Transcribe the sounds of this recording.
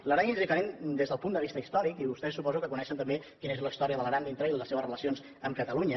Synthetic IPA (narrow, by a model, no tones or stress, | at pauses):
ləɾaɲizikəɾẽnd̪ezðəlˠpund̪əβ̞ist̪əist̪ɔɾikiβust̪ɛsːupɔzukəkunɛʃənt̪əmbekinezləist̪ɔɾiəðəlˠəɣɾand̪int̪ɾəiləseβəsrələsions | əmkət̪əluɲə